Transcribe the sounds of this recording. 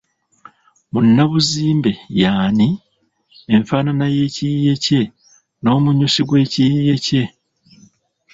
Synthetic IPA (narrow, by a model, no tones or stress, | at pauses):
munːaβuziːmbe̞jaːniː | ɱfaːnanaje̞ːciije̞ce̞ | no̞ːmuɲusiɡwe̞ːcijije̞ce̞